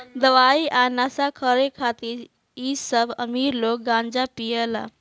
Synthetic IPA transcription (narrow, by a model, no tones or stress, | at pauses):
d̪əʋaiʔanasakʰəɾekʰat̪iːɾ | isəbə̰miːɾloːk̚ɡãnd͡ʒapijəla̰